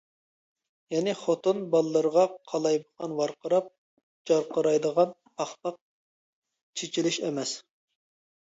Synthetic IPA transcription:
jɛnɪχot̪unbɑlˠːəɾʁɑqʰɑlˠɑjbəqɑnwɑɾqəɾɑp̚ | d͡ʒɑɾqəɾɑjd̪əʁɑnpʰɑχpɑq̚ | t͡ʃʰet͡ʃʰilɪʃɛmɛs

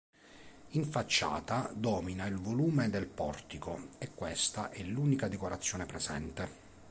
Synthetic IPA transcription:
iɱfat͡ʃːa̰ːt̪ad̪ɔːminailvoluːmed̪elpɔrt̪ikoekːwest̪aʔɛlːuːnikad̪ekoɾat̪sːjɔːnepɾezɛ̰nt̪e

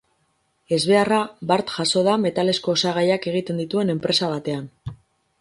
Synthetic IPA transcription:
e̞zβe̞araβaɾt̪ʝaso̞ðame̞t̪ale̞sko̞ːsaɣajake̞ɣ̞it̪e̞nd̪it̪ue̞ne̞mpɾe̞saβat̪e̞an

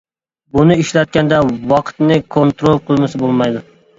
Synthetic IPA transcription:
bʊnɪɪʃlat̪̚kʲand̪awɒqʰt̪nɪkʰont̪ɾolˠqʰɨlˠmɪsɪbolˠmajd̪ʊ

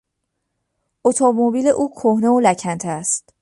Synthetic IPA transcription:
ʔot̪ʰomobiːleʔuːkʰohne̞olæcʰænt̪ʰæst̪

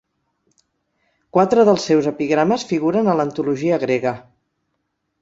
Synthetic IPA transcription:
kwat̪ɾəðəlˠsːɛwzəpiɣɾaməsfiɣuɾənələnt̪uluʒiəɣɾeɣə

